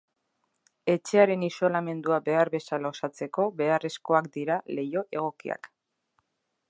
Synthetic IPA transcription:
e̞t͡ʃe̞aɾe̞niso̞lame̞nd̪uabe̞aɾβe̞salosat͡se̞ko̞βe̞are̞sko̞akd̪iɾale̞jo̞ʔe̞ɣ̞o̞kḭa̰k

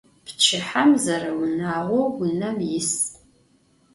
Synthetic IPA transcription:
pt͡ʃʰɪħamzɐrɐwʊnaːʁʷowɡʷʊnɐmjɪs

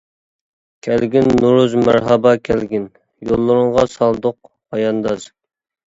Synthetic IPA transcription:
kʲʰælɡʲinːuɾuzmæɾɦɑbɑkʲʰælɡʲin | jolˠːʊɾʊɴʁɑsɑlˠd̪ʊq̚ | hɑjɑnd̪ɑz

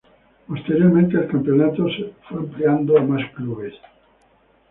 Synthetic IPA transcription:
post̪eɾjoɾmẽnt̪eelkampeonat̪osefweempleand̪oamaskluβes

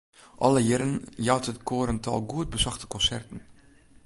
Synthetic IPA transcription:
ʔɔləjɪɾənjawtətkʰoəɾəntʰɔ̰lˠɡuət̚bəsɔxtə̥kɔnsɛrtən̩

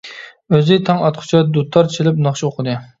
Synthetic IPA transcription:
øzɪt̪ʰɑŋɑt̪qʰʊ̥t͡ʃʰɑd̪ut̪ʰːɑɾt͡ʃʰilɪpnɑχʃʰioqʰəd̪ɨ

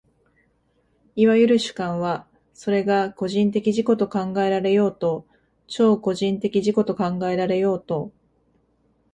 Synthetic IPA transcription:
iβajɯ̟ɾɯ̟ɕɨ̥kãɰ̃βa | so̞ɾe̞ɡako̞ʑĩnt̪e̞kʲiʑiko̞t̪o̞kãŋɡae̞ɾaɾe̞jo̞ːt̪o̞ | t͡ɕo̞ːko̞ʑĩnt̪e̞kʲiʑiko̞t̪o̞kãŋɡae̞ɾaɾe̞jo̞ːt̪o̞

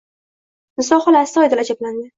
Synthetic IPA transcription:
nɪsɒχɒlast̪ɒjd̪ɪlad͡ʒabland̪ɪ

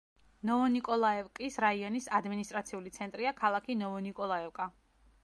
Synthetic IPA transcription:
nɔɔnikʼɔlˠaɛvkʼisɾaiɔnisad̪minist̪ʼɾat̪sʰiulit̪sʰɛnt̪ʼɾiakʰalˠakʰinɔɔnikʼɔlˠaɛvkʼa

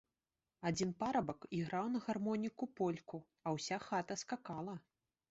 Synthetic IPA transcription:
ad͡zʲinpaɾɐbɐkiɣɾawnɐɣarmɔnʲikupɔlʲku | ɐwsʲaxat̪ɐskakalˠɐ

